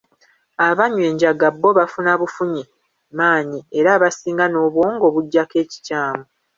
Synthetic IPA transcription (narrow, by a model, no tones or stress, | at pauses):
aβaɲwe̞ːɲɟaɡabːo̞βafunaβufuɲi | maːɲieɾaːβasiːŋɡano̞ːβwo̞ːŋɡo̞βuɟːake̞ːci̥caːmu